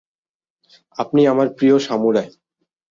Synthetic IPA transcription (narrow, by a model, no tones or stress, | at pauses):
apniamaɾpɾioʃamuɾae